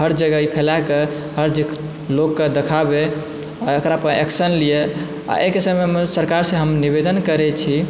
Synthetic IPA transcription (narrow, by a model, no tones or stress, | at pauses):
ɦəɾd͡ʒəɡaipʰelake | həɾd͡ʒik | lokːed̪ekʰabe | aəkɾapəʔeksənlije | a̰ʔekisəemesəɾkaɾsẽɦəmniβed̪ənkəɾɛt͡ʃʰi